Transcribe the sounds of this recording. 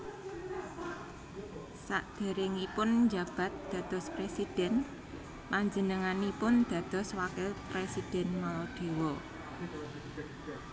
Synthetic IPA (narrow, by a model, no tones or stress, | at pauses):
sa̰ʔd̪̥ə̤ɾɪŋipʊnɲd͡ʒä̤b̥a̤t̪̚d̪̥ä̤d̪̥ɔ̤spɾesid̥ɛ̤n | paɲd͡ʒənəŋanipʊnd̪̥ä̤d̪̥ɔ̤swakɛlpɾesid̪̥ɛ̤nmɔlɔɖ̪̥e̤wɔ